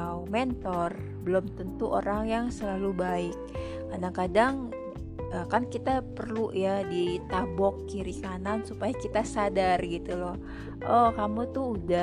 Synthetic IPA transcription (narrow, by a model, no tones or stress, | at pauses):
mɛnt̪ɔr | bəlomt̪ənt̪uʔo̰ɾaŋjaŋsəlalubaɪk̚ː | adaŋkadaŋ | əːkankit̪apərluʔjadit̪abɔkːiɾikanansupajakit̪asadarɡit̪ulɔh | ʔɔkamut̪ʊuda